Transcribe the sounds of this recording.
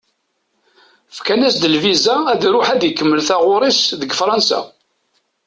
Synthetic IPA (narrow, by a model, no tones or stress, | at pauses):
fkænæsd̪əlvizææðɾʊħæd̪jəkːəmːəlθæʁʊɾˤisðəɡfɾˤɑnsæ̰